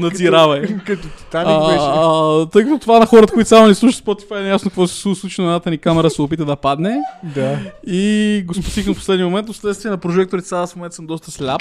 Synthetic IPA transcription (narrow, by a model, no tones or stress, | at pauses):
nɐd̪ziɾavɐjkɐt̪ot̪i̥t̪anɛt̪ɤjkɐt̪ɔt̪ovanɐxɔɾət̪ə̥koit̪sʲamonɛslˠuʃi̥spɔt̪i̥fajɛnɛjasnokɐkvɔsɛ̥suslˠut͡ʃinɐɛnat̪ənikamɛɾəsɛopit̪əd̪ɐpad̪nɛd̪aiɡospo̥t̪ikənfpo̥slɛd̪nʲjmomɛnt̪osslɛt̪t̪viɛnɐpɾoʒɛk̚t̪oɾit̪saasmomɛnt̪səmd̪ɔst̪əslʲap